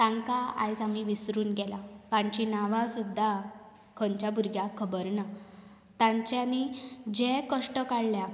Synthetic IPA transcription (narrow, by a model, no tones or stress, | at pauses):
t̪ãŋkaa̰jsamiʋisɾuːnɡɛlapaɲt͡ɕinaʋãsud̪ʱːa | kʰəɲt͡ɕjabuɾɡjakʰəbəɾna | t̪ãɲt͡ɕjanid͡ʑekəʂʈəkaɽlja